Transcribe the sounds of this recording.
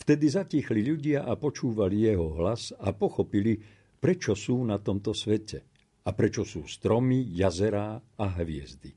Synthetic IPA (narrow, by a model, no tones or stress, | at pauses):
ft̪ɛd̪izacixliʎuɟɪaʔapɔt͡ʃuːʋalijɛɦɔɦlazapɔxɔpili | pɾɛt͡ʃɔsuːnat̪ɔmt̪ɔsʋɛcɛ | apɾɛt͡ʃɔsuːst̪ɾɔmijazɛɾaːaɦʋɪɛ̰zd̪i